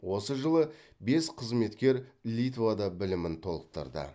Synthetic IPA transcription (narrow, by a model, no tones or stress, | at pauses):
wo̞səʒəlˠə | be̞sqʰəzme̞t̪kʲe̞ɾlʲit̪vad̪ɑbɪlɪmɪnt̪ʰo̞lˠəq̚t̪ə̰ɾd̪ə̰